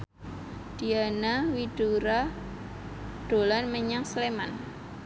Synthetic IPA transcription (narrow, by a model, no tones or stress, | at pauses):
d̪̥i̤anawid̥uɾa | ɖ̥olanməɲaŋsleman